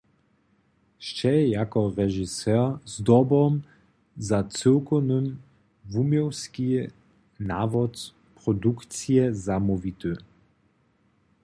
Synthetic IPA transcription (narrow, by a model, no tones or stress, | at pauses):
ʃt͡ʃɛɛjakɔʁɛʒisɛʁzd̪ɔbɔm | zat͡səwkɔnəm | vumjɔwski | navɔt | pʁɔdukt͡siɛzamɔvit̪ə